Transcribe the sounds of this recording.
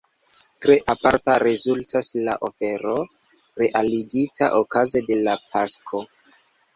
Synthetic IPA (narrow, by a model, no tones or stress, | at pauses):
tɾe̞ʔapaɾtaɾezultʰaslaʔo̞fe̞ɾo̞ | ɾe̞ʔaliɡitʰa̰ʔokazede̞lapaskʰo̞